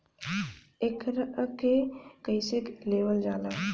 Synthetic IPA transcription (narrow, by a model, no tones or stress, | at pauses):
ekɾkekəɪsɪkleːʋəld͡ʒaːlaː